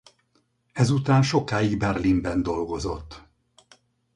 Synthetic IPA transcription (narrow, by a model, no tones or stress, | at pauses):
ɛzut̪aːnʃo̞kaːjiɡbɛrlimbɛnd̪o̞lɡo̞zo̞t̪ː